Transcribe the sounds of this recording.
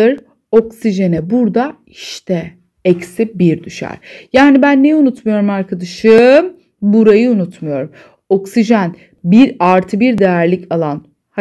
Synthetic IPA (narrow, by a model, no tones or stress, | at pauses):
ɯɾ | o̞ksiʒe̞nɛbuɾd̪a | iʃt̪ʰɛ | ɛcsibiɾd̪yʃæ̰ɾ̥jaːnibænːejunut̪mujo̞ɾumaɾkʰad̪aʃɯ | buɾajɯunut̪mujo̞ɾum | o̞ksiʒæn | biɾaɾt̪ʰɯbiɾd̪e̞jæɾlʲicʰalˠan | ha